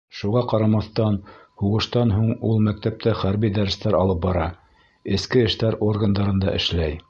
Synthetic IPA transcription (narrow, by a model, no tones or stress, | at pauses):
ʃuʁɑqɑɾɑmɑθt̪ɑnhuʁɤ̆ʃt̪ɑnɦuɴulˠmæk̚t̪æp̚t̪æχæɾβid̪æɾst̪æɾɑlˠɤp̚bɑɾɑ | ɘ̆skɘɘ̆ʃt̪æɾorɡənd̪ɑɾɤ̆nd̪ɑ̰ʔɘ̆ʃlæj